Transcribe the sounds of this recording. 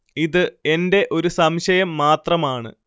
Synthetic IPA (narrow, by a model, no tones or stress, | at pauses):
iðɨe̞nde̞ʔo̞ɾusɐmɕɐjɐmːaːt̪rɐmaːɳɨ̰